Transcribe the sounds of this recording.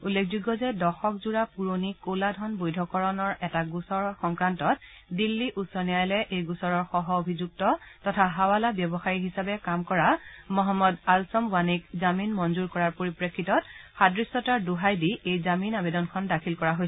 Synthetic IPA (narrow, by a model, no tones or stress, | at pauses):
ulːekʰzuɡɔzɛdɔxɔkzuɹapuɹonikoladʱɔnbojdʱɔkɔɹɔnɔɹɛtaɡusɔɹɔxɔŋkɹantɔt̚ | dilːiʔusɔnijajlɛʔejɡusɔɹɔɹxɔɦɔobʱizuk̚tɔtɔtʰaɦawalabjɔbɔxaɹiɦisabɛkamkɔɹamɔɦɔmːɔdalsɔmbanikzaminmɔnzuɹkɔɹaɹpoɹipɹekʰːitɔtxadɹisɔtaɹduɦajdiejzaminabedɔnkʰɔndakʰilkɔɹaɦojsɛ